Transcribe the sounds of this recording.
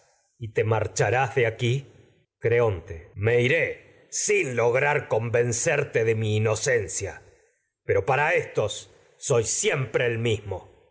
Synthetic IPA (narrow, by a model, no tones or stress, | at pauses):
it̪emaɾt͡ʃaɾazðeaki | kɾeont̪eme̞iɾe | sinlo̞ɣɾaɾko̞mbe̞nseɾt̪eðe̞miːno̞sensja̰ | peɾo̞paɾaest̪o̞sː | o̞jsjempɾe̞ːlmismo